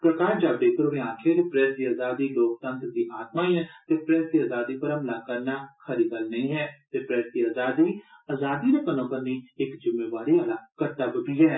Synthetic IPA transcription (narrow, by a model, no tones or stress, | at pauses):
pɾəkaːɾd͡ʒaːbɖeːpɾʋẽãːkʰeːd̪eːpɾɛːɾd̪iːaːzaːd̪iːloːk̚t̪ənt̪ɾd̪iːʔaːt̪maːiɛ̃t̪eːpɾɛːsd̪iːaːzaːd̪iːpəɾəmpəlaːkəɾnaːkʰəɾiːɡəlnəĩːɦɛːt̪eːpɾɛːɾd̪iːaːzaːd̪iːaːzaːd̪iːɾəpənõːpəɾniːɪkd͡ʒɪmːeːʋaːɾiːaːlaːkəʈːaːbəbiːɦɛː